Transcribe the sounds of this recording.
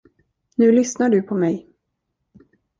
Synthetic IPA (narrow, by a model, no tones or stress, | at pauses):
nʉ̟ːlʏsnaɖɵpʰɔmɛj